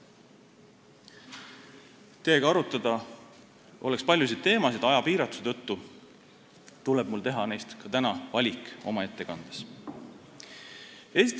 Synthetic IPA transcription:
t̪eːɡɑɑɾut̪ːˑɑd̪̥ɑ | ʔo̞̰lɛkspɑlʲjus̬id̪̚t̪e̞ːmɑsid̪ɑjɑpiːɾɑt̪ːˑu̥set̪ɤt̪ːu | t̪uleb̥̚mult̪e̞ɦɑne̞jst̪kɑt̪ænɑvɑlʲikˑo̞mɑe̞t̪ːe̞kɑnd̪̥e̥s | e̞ːst̪

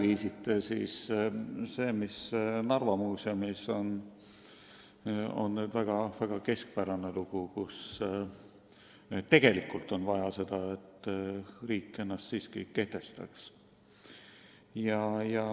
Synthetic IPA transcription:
viːsit̪ːˑesḭːs | se̞ːmisnɑrvɑmuːsemiso̞n | o̞̰nːeːd̪væɡ̥ɑvæɡ̥ɑke̞sk̚pæɾɑneluɡ̥ukus | t̪ːe̞ɡ̥e̞likːˑult̪ˑo̞nvɑjɑse̞d̪̥ɑe̞t̪ː | riːkːˑe̞nːɑst̪siːskḭke̞ht̪e̞st̪ɑ̰ks | jɑjɑ

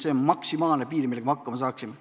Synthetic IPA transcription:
se̞onmɑksimɑːlnepiːɾimilːe̥ɑmɑɑkːɑmɑs̬ɑːksim

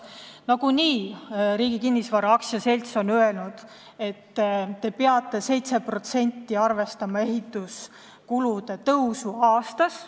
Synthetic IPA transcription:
nɑɡ̥uniːɾiːɡ̥ikinːisvɑɾɑɑksjɑse̞lʲt̪so̞nøe̞lnud̪̥ | e̞t̪ːt̪e̞peɑt̪ːˑe̞se̞jt̪se̞pro̞t̪se̞nʲt̪ːiɑrve̞st̪ɑmɑe̞ɦit̪ːˑus | kulud̪e̞t̪ɤwsuɑːst̪ɑs

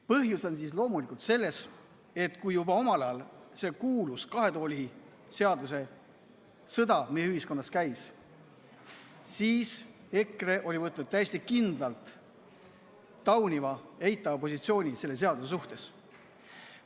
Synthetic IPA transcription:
pɤɦjusens̬islo̞ːmulikult̪se̞lːe̞s | e̞t̪ːˑkujjubɑo̞mɑlɑɑlse̞kuːluskɑɦe̞t̪o̞ːlʲi | se̞ɑd̪use̞ | sɤd̪ɑmejeyhisko̞nːɑskæjs | siːs | e̞kre̞ʔo̞lʲivɤt̪ːˑnud̪̥̚t̪ːæje̞sʲt̪ikind̪lɑlt̪ | ɑwnimɑe̞jt̪ːˑɑvɑpo̞sʲit̪sio̞ːnʲise̞lːe̞se̞ɑd̪usesuht̪e̞s

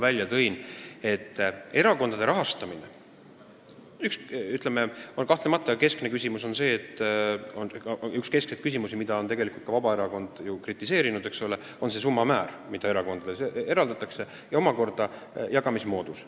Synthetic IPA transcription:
vælʲjɑt̪ɤ̞jne̞t̪ːe̞ɾɑko̞nd̪ɑd̪e̞ɾɑɦɑst̪ɑmine | yksyt̪ˑleme̞onkɑht̪lemɑt̪ːˑɑke̞skne̞kysʲimuso̞nse̞ːt̪ːˑonykske̞skset̪̚kys̬ʲimusimid̪ɑo̞nt̪e̞ɡe̞likult̪̚kɑvɑbɑeɾɑko̞nd̪̥jukrit̪ːˑise̞ːɾinud̪̥eksole̞ | o̞nse̞s̬umːɑmæːɾ | mid̪̥ɑe̞ɾɑko̞nd̪ɑd̪esee̞ɾɑld̪ɑt̪ːˑɑkse̞ | jɑo̞mɑko̞rd̪̥ɑ | jɑɡ̥ɑmismo̞ːd̪̥us

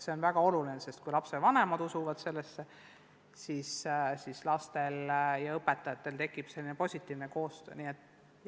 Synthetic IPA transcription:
seo̞nvæɡ̥ɑo̞lulinese̞st̪̚kujlɑpsed̪vɑne̞mɑd̪̥usuvɑd̪̥se̞lːesːe | sissislɑst̪e̞ljɑɤpːet̪ːˑɑjɑt̪ːˑe̞lt̪e̞kːˑib̥se̞lːinepo̞sʲit̪ʲːˑiːvneko̞ːst̪ø̰ːniet̪ːˑ

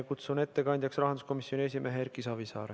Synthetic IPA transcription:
kut̪sune̞t̪ːe̞kɑnʲd̪̥ʲjɑksrɑɦɑnd̪usko̞misjo̞nʲies̬ʲimʔe̞ɦeeɾkisɑvisɑ̰ːɾe

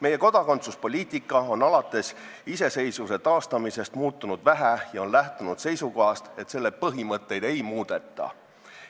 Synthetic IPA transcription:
me̞jːe̞ko̞d̪̥ɑko̞nt̪suspo̞lʲiːt̪ˑikːˑɑo̞nɑlɑt̪ːˑe̞s | ise̞se̞jsvuse̞t̪ɑːst̪ɑmise̞st̪muːt̪ːunud̪̥væɦæjɑo̞nlæht̪unud̪̥se̞jsuko̞ɦɑst̪e̞t̪se̞lːe̞pɤɦimɤt̪ːe̞jd̪̥e̞jmuːd̪̥e̞t̪ːˑɑ̰

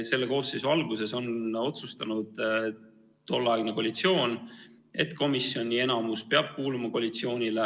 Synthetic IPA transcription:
se̞lːe̞ko̞ːsːesuɑlɡuse̞so̞no̞t̪sust̪ɑnud̪̥ | t̪o̞lːɑeɡnekolit̪sio̞ːn | e̞t̪ko̞misːjio̞nʲːie̞nɑmuspe̞ɑb̥̚kuːlumɑkolit̪sio̞ːnʲile

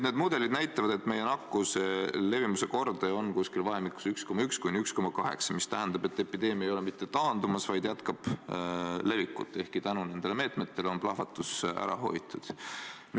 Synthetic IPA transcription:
ned̪mud̪e̞lid̪̥næjt̪ˑːɑvɑd̪e̞t̪me̞je̞nɑkːusele̞vimuse̞ko̞rd̪eo̞nkuskilvɑɦemikːu̥syksko̞mːɑykskujnyksko̞mɑkɑɦe̞̰ksɑ̥mist̪æɦænd̪̥ɑb̥e̞t̪ːˑe̞pid̪e̞ːmiejo̞le̞mit̪ːe̞t̪ɑːnd̪umɑsvɑjd̪̥jæt̪kɑb̥ | le̞vikːˑṵt̪ːˑe̞hkit̪ænune̞nd̪eleme̞ːt̪ˑme̞t̪ːe̞leo̞nplɑhvɑt̪ːˑusæ̰ɾɑ̰ɦo̞̰jt̪ːˑud̪̥ | n

